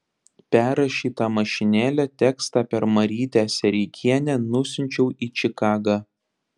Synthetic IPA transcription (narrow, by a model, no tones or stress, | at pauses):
pʲæːɾɐʃʲiːt̪ɑmɐʃʲɪnʲæːlʲɛt̪ʲɛkst̪ɑːpʲɛɾmɐɾʲiːt̪ʲæːsʲɛɾʲɪkʲʰiɛnʲɛnʊsʲʊnʲt͡ʃʲɛʊiːt͡ʃʲɪkɑːɡɑː